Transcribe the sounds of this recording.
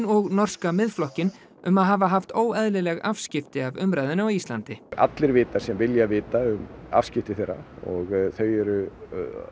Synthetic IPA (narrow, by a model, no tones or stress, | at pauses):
nɔɣnɔr̥skamɪðflɔhcɪn | ʏmaðɦaːvaɦaft̪oːwɛðlɪlɛɣafscɪft̪ɪavʏmɾajðɪnawist̪lant̪ɪa̰t̪lɪɾvɪːt̪ḁsɛmvɪljavɪːt̪aʏm | a̰fscɪft̪ɪθejrːa̰ɔɣθœːjɾʏ